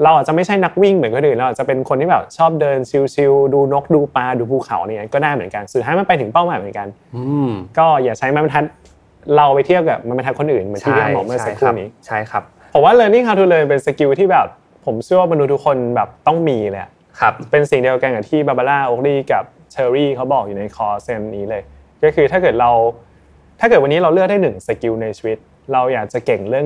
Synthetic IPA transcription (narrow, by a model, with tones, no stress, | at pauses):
ɾa˧wʔaː˨˩t̚t͡ɕa˨˩ma˥˩t͡ɕʰa˥˩jna˦˥k̚wi˥˩ŋmɯ˩˦nko˧nʔɯː˨˩nlːʔaː˨˩t͡ɕa˨˩pe˧nkʰo˧nt̪ʰiː˥bɛː˨˩p̚t͡ɕʰɔː˥˩p̚dɤː˧nt͡ɕʰi˧wt͡ɕʰi˧wduː˧no˦˥k̚duː˧paː˧duː˧pʰuː˧kʰa̰˨˩˦wn˧ɲː˦a˦˥nkɔː˥˩daː˥˩jmɯ˩˦ənka˧nsu˨˩t̪ʰaː˦˥jma˧npa˧t̪ʰɯ˨˩˦ŋpa˥˩wmaː˨˦jmɯ˩˦nka˧nː˧ | kɔː˥˩jaː˨˩k̚t͡ɕʰa˦˥jma˧˥ma˧t̪ʰa˦˥t̪̚ | ɾa˧wpa˧jt̪ʰi˥˩əwka˨˩p̚ma˧nma˧ntʰa˦˥t̚kʰo˧nʔɯː˨˩nmɯː˨˦t̪ʰiː˥˩˦mɔː˩˦mɯ˥˩sa˧kʰɾuː˧˩niː˦˥t͡ɕʰa˥˩jkʰa˦p̚ʰo˩˦waː˥˩lɤː˧ni˥˩kʰa˧˥wt̪ʰu˧˥lɤː˧jpe˧nsa˧ki˧wt̪ʰiː˥˩bɛː˨˩p̚ | pʰo˩˦mt͡ɕʰɯ˥˩wa˥˩ba˧nu˧˦t̪̚ʰu˦˥kʰːo˧nbɛː˨˩p̚t̪ɔ˥˩ŋmiː˧lɤː˧˦ja̰˨˩ʔ | kʰa˦˧pe˧nsi˨˩ŋdi˧əwka˧nka˨˩t̪ʰiː˥˩baː˨˧˩baː˧laː˥˩ʔoː˦˥k̚liː˥˩ka˨˩p̚ | t͡ɕʰɤː˧ɾiː˥˩kʰa˦˥wbɔː˨˩k̚juː˨˩na˧jkʰɔː˨˦˥se˧nniː˦˥lɤː˧j | kɔː˥˩kʰɯː˧aː˥˩kɤː˨˩t̪̚ɾa˧w | t̪ʰa˥˩kɤː˨˩t̚wa˧nːiː˦˥ɾa˧wlɯ˥ək̚daː˥˩nɯ˨˩ŋsa˧ki˧wna˧jt͡ɕʰi̥˧wi˦˥t̪̚ | ɾa˧wjaː˨˩k̚t͡ɕa˨˩ke˨˩ŋɾɯ˥˩əŋ